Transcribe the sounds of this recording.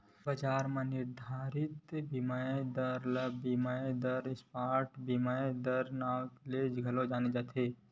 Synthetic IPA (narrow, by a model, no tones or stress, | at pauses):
bəd͡ʒaːɾmãnɪɾd̪ʱaːɾɪt̪bimaed̪əɾləbimaed̪əɾspaːɾʈbimaed̪əɾnaːwt̪leːd͡ʒɡʱɐlod͡ʒaːned͡ʒaːt̪ʰe